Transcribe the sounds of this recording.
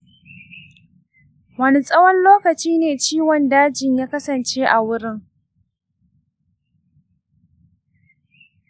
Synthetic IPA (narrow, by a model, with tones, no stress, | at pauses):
wɐ˦ni˦sʼɐ˦wɔ˦nloː˦kɐ˨t͡ʃiː˦neː˨t͡ʃiː˦wɔ˨ndaː˦d͡ʒɪ˨ɲjaː˦kɐ˦sɐ˨nt͡ʃe˦ʔa˨wʊ˦ɾɪ˦ŋ